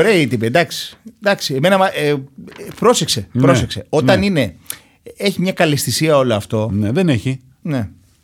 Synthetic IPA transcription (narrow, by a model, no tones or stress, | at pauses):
oɾe̞ɐiit̪ipind̪ɐksi̥d̪ɐksieme̞nɐmɐ | pɾo̞sekse̞pɾosekse̞o̞ɐnine̞ | e̞çimɲɐkɐlist̪isiɐo̞loɐft̪o̞neðeneçi | ne̞